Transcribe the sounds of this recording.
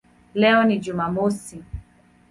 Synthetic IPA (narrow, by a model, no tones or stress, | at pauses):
lɛɔnid͡ʒumamosi